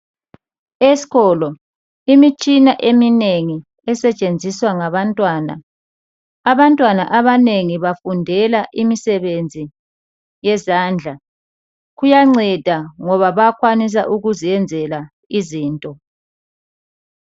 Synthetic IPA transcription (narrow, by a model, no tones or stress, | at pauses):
esi̥ɣɔlɔ | imit͡ʃʼinaʔemineŋi | ɛsɛt͡ʃʼend͡zʱiswaŋaβantʼwaːna̰ | aβantʼwana̰ʔaβaneŋiβafundʱɛlaʔimisɛβend͡zʱi | jɛzaːnd͡ɮʱa | ɣujaŋ͡ǀɛd̥ʱaŋɔβaβakʰwanis̬a̰ʔuɣuzijɛnd͡zʱɛla | iziːntʼɔ